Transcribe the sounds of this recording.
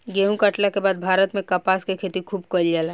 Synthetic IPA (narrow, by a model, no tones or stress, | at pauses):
ɡeːũkɐʈlakebaːd̪̚bʱaːɾət̪mẽkɐpaːskekʰeːt̪ikʰuːbkolaːlɛ